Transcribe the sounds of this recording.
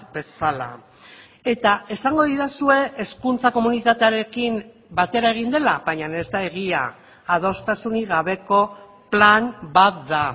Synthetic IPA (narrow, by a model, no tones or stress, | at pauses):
be̞sala̰ | e̞t̪ae̞saŋɡo̞ðiðasue̞eskunt͡sako̞munit̪at̪e̞aɾe̞kim | bat̪e̞ɾae̞ɣ̞ind̪e̞laβajɲane̞zd̪ae̞ɣ̞ia̰ː | ð̞o̞st̪asuniɣaβe̞ko̞ | planbat̪̚d̪a